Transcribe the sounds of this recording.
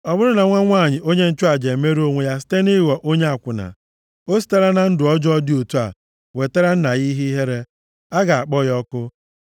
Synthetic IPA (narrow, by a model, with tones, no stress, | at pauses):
ɔ˨bʊ˦ɾʊ˦na˨ŋʷa˦ŋʷa˦˨ɲɪ˨ʔo˦ɲe˦n̩˦t͡ʃʊ˦a˨d͡ʒe˨˦me˦ɾo˦ŋʷe˨ja˦s̬i̥˦te˦ni˦˨wɔ˨ʔo˦ɲe˦a˨kʷʊ˨na̰˨ | o˦s̬i̥˦ta˦ɾa˦na˨n̩˦dʊ˨ɔ˦d͡ʒɔ˦dɪ˦o˨tu˦a̰˨ | we˨te˦ɾa˦n̩˦na˨ɣi˦ɦi˦i˦ɦe˦ɾe˦ | a˦ɡa˨a˨k͡pɔ˦jɔ˦kʊ˦